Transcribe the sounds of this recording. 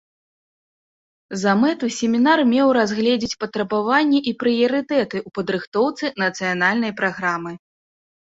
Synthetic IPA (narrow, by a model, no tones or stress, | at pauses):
zɐmɛt̪usʲɛmʲinarmʲɛwɾazɣlʲɛd͡zʲit͡sʲpɐt̪ɾɐbavanʲːɛʔipɾɨjɐɾɨt̪ɛt̪ɨʔupɐd̪ɾɨxt̪ɔwt̪sɨnɐt̪sɨjanalʲnɐjpɾaɣɾamɨ